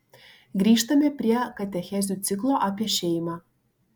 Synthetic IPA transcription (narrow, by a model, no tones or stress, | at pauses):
ɡɾʲiːʃt̪ɐmʲepʲɾʲiɛkɐt̪ʲɛxʲɛzʲuːt̪sʲɪklˠoːʔapʲiɛʃʲejmɑː